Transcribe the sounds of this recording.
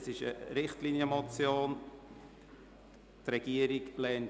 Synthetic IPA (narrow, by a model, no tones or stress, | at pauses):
sɪʃə̰ɾɪχtlinjəmɔt͡sjoːn | tɾɛɡ̥iəɾiklɛːn